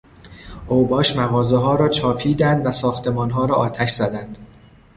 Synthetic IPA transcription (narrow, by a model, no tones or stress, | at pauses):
ʔoːbɒːʃmæɣɒːzeɦɒːɾɒːt͡ʃʰɒːpʰiːd̪ænd̪væsɒːxt̪ʰe̞mɒːnɦɒːɾɒːʔɒːt̪ʰæʃz̥æd̪ænd̪̥